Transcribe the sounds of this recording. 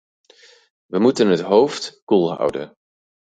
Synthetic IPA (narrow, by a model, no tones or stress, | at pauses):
ʋəmutənɦətɦowftkuːlˠɦʌ̰wdə̰n